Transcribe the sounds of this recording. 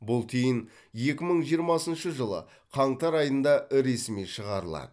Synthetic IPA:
bʊlˠt̪ʰejɪn | je̞kʲɪməɴʒijəɾmɑsənʃəʒəlˠə̰ | qʰɑɴt̪ɑɾɑjənd̪ɑɪɾe̞sɪmiʃəʁɑɾəlˠɑ̰d̪ə

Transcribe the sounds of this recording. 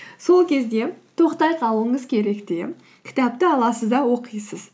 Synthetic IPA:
so̞lˠkʲʰe̞zd̪e̞t̪ʰo̞qt̪ɑjqʰɑlˠuəɴəzkʲʰe̞ɾe̞kt̪e | kʲʰɪ̥t̪ɑp̚t̪ɪɑlˠɑsəzd̪ɑwo̞qijsəz̥

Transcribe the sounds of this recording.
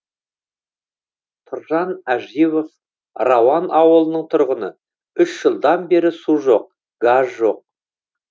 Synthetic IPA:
t̪ʰʊɾʒɑnæʒiβof | rɑwɑnɑwəlˠənəɴt̪ʰʊɾʁənə | ʏʃʒ̥əlˠd̪ɑnbe̞ɾɪsuʒo̞q̚ | ɡ̥azʒo̞q̚

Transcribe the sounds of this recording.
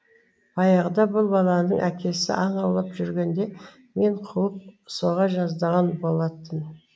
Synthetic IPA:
bɑjɑʁd̪ɑbʊlˠbɑlˠɑnəɴʔækʲʰe̞sɪ̰ʔɑɴɑwlˠɑpʒʏɾɡʲe̞nd̪e̞ | me̞ɴqʰuwəp̚so̞ʁɑʒɑzd̪ɑʁɑnbo̞lˠɑt̪ːən

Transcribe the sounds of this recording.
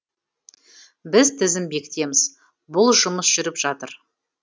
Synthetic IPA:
bɪzt̪ʰɪzɪmbe̞kʲɪ̥t̪e̞mɪz | bʊlˠʒʊməsʒ̥ʏɾɪpʒ̥ɑt̪əɾ

